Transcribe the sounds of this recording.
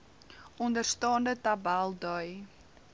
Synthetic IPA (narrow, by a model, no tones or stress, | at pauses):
ɔndərstɑːndətɐbælˠdœj